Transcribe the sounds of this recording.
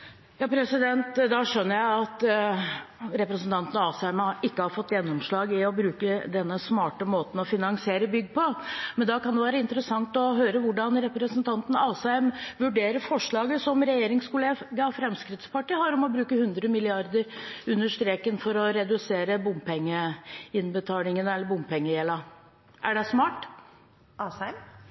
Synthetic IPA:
jɑːpʰɾɛsɪd̪ɛnt̪d̪ɑʂœnːəɾjæɪɑt̪ | ɾɛpɾɛsnt̪ʰɑnt̪ən̩ɑːsɛmʔɪkːəhɑɾfɔt̪ːjɛnːɔmʂɭɑːɡɪɔbɾʉːkəd̪ɛnːəsmɑːʈəmoːt̪n̩ɔfɪnɑŋsɪeːɾəbʏɡːpʰɔmɛnd̪ɑkʰɑnd̪ɛʋæːɾəɪnt̪əɾəsɑŋt̪ɔɦøːɾəʋʊɖɑnɾɛpɾəsənt̪ʰɑnt̪n̩ɑːsɛmʋʉɖeːɾəɾfɔʂɭɑːɡəsɔmɾɛjeːɾɪŋskʊleːɡɑfɾɛmskɾɪt̪spɑʈiːhɑɾɔmɔbɾʉːkəhʉnd̪ɾəmɪlɪɑɾd̪əɾʉnːəʂt̪ɾeːkənfɔɾɔɾɛd̪ʉseːɾəbʊmpɛŋːəɪnbət̪ʰɑːlɪŋənɛlːəɾbʊmpʰɛŋːəjɛlɑ | ʔæɖɛsmɑːʈ | ɑsæm

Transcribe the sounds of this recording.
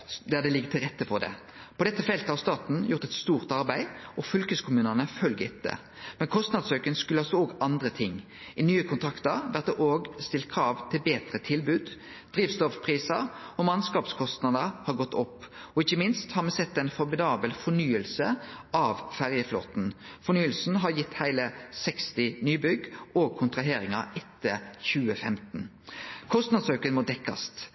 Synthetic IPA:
d̪æd̪ɛlɪɡːət̪ʰɪlʁɛt̪ːəfɔʁd̪ɛ̰ | pʰɔd̪ɛt̪ːəfɛlt̪əhɑʁst̪ɑːt̪n̩jʊʁt̪ɛt̪st̪uːʁt̪ɑʁbæɪɔfʏlkəskʰʊmʉːnənəfœlɡɪt̪̚d̪ɛ̰ | mɛnkʰɔst̪nɑd̪søʏkənskʉləɑlsɔoːɡɑnd̪ʁət̪ʰɪŋː | ɪnyːəkʰʊnt̪ʰɾɑkt̪əɾʋæʁt̪̚d̪ɛʔoːɡst̪ɪlt̪̚kʰʁɑːʋt̪ʰɪlbeːt̪ʁət̪ʰɪlbʉːd̪ | d̪̥ʁiːʋst̪ɔfpʰʁiːsəʁɔmɑnskɑːpskʰɔst̪nɑd̪əɾhɑɾɡɔt̪ːɔpːɔɪçəmɪnst̪hɑɾmɛsɛt̪ːɛɪnfɔɾmɪd̪ɑːbəlfɔɳyːəlsəɑʋfæʁjəflo̰ːt̪n̩fɔɳyːəlsn̩ɦɑɾjɪt̪ːhæɪləsɛkst̪ɪnyːbʏɡoːɡ̚kʰʊnt̪ɾʁɑɦeːɾɪŋɑ̰ɛt̪ːəçʉːəfɛmt̪n̩ | kʰɔst̪nɑd̪sœkənmɔd̪ɛkːɑ̰st̪

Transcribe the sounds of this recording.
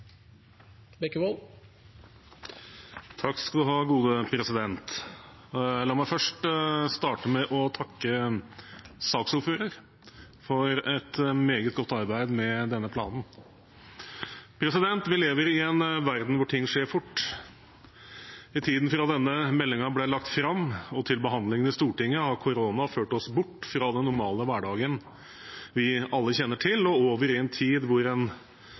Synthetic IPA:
bɛkəwol | t̪ʰɑkːskɑld̪ʉɦɑːɡuːd̪əpʰɾɛsɪd̪ɛnt̪ | lɑːmæɪfœʂʈst̪ɑːʈəmɛʔɔt̪ʰɑkːə | sɑːksʊɾføːɾəɾ | fɔɾɛt̪meːɡət̪̚ɡɔt̪ːɑɾbæɪd̪mɛd̪ɛnːəpʰlɑ̰ːnn̩ | pʰɾɛsɪd̪ɛnt̪ʋɪleːʋəɾɪɛnʋæɾd̪n̩ʋʊʈʰɪŋːʂeːɾfʊʈː | ɪt̪ʰiːd̪n̩fɾɑd̪ɛnːəmɛlːɪŋɑblɛlɑk̚t̪fɾɑmːɔt̪ʰɪlbəɦɑnd̪lɪŋənɪst̪uːʈɪŋːəhɑɾkʰʊɾoːnɑføːʈɔsbʊʈːfɾɑːd̪ɛnːʊɾmɑːləʋæːɖɑːɡən | ʋɪɑlːəçɛnːəʈʰɪlɔoːʋəɾɪɛnt̪ʰiːd̪ʋʊɾɛn

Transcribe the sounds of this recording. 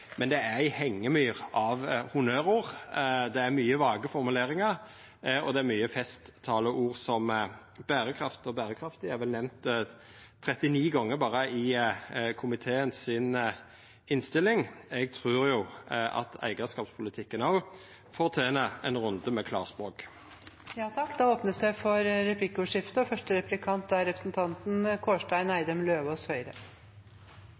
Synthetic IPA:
mɛnd̪ɛæɪhɛŋːəmyːʁɑʋhʊnøːɾuːʁd̪ɛæɾmyːəʋɑːɡəfɔɾmʉleːɾɪŋɑɾ | ɔd̪ɛæɾmyːəfɛst̪ʰːɑːləʔuːʁsɔm | b̥æːɾəkʰɾɑft̪ɔbæːɾəkʰɾɑft̪ɪɛɾʋɛlnɛmnt̪ | t̪ʰɾɛt̪ɪniːɡɑŋːəɾbɑːɾəʔɪ | kʰʊmɪt̪ʰeːənsɪn | ɪnst̪ɪlːɪŋɛɡ̚t̪ʰʁʉːʁjʊɑ̰t̪æ̰ɪɡəskɑːpspʰʊlɪt̪ʰɪkːənɑʊ | fɔʁt̪ʰeːnəɛnʁʊnd̪əmɛkʰlɑ̰ːʁsbʁoːk | jɑːt̪ʰɑkːd̪ɑːoːpnəsd̪ɛɪfɔɾːɛpʰlɪkːəʉʂɪft̪əɔfœʂʈəɾɛplɪkʰɑnt̪̚d̪æɾɛpɾəsn̩t̪ʰɑnt̪n̩kʰoːʂʈæɪnæɪd̪əmløːʋɔshœʏɾə

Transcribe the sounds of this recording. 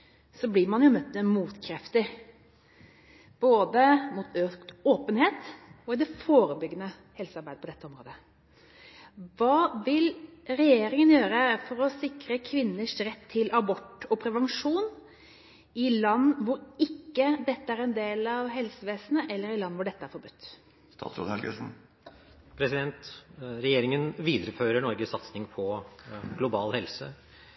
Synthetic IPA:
sɔblɪɾmɑnjʊmœt̪ːmɛmuːt̪kʰɾɛft̪ɪɾ | b̥oːd̪əmuːt̪øːkt̪oːpənheːt̪ɔɪd̪ɛfoːɾəbʏɡənə | hɛlsɑɾbæɪd̪əpʰɔd̪ɛt̪ːəɔmɾo̰ːd̪ə | ʋɑːʋɪlɾɛjeːɾɪŋənjøːɾəfɔɾɔsɪkɾəkʰʋɪnːəʂɾɛt̪ʰːɪlʔɑbɔʈːɔpʰɾɛʋɛnʂuːn | ɪlɑnːʋʊɾɪkːəd̪ɛt̪ːəæɾɛnd̪eːlɑʋɦɛlsəʋeːsnəʔɛlːəɾɪlɑnːʋʊɖɛt̪ːəæɾfɔɾbʉt̪ː | st̪ɑ̰ːt̪sɾo̰d̪ɛlɡn | pʰɾɛsɪd̪ɛnt̪ɾɛjeːɾɪŋənʋiːd̪əɾəføːɾəɳɔɾɡəsɑt̪snɪŋpʰɔɡlʊbɑːlhɛlsə̰

